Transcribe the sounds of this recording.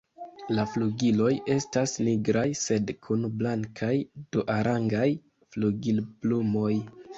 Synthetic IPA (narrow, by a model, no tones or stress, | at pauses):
lafluɡilo̞je̞stasniɡɾajse̞dkʰunblaŋkʰajd̥uʔaɾaŋɡaj | fluɡilb̥lumo̞j